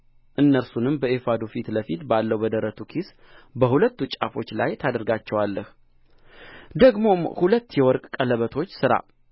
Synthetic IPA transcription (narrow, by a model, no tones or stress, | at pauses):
ʔɨnːəɾsunɨmbəefad̪ofit̪ləfit̪balːəwbəd̪əɾət̪ʰukʰis | bəhulət̪ːut͡ʃʼa̰fo̞t͡ʃːla̰jt̪ʰad̪əɾɡat͡ʃːɛwalːəh | d̪əɡmo̞mhulət̪ːjɛwɔɾkʼkʼələβət̪ʰo̞t͡ʃːsɨɾa̰